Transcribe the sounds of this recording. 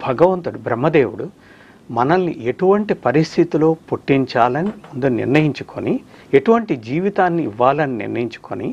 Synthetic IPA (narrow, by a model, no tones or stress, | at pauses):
bʱɐɡɐʋɐnt̪uɽubɾɐmːɐd̪eːʋuɽu | mɐnɐnːḭe̞ʈuʋɐɳʈipɐɾist̪ʰit̪ilo̞ːpoʈːiɲt͡ʃaːlɐnimund̪unḭɾnɐjiɲt͡ʃu̥kʰonieʈuʋɐɳʈid͡ʒiːʋit̪aːnːiiʋːaːlɐninḭɾnɐjiɲt͡ʃu̥ko̰nḭ